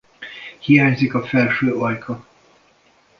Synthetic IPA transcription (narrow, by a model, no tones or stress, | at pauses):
hijaːɲzikɒfɛlʃøːɒjkʰɒ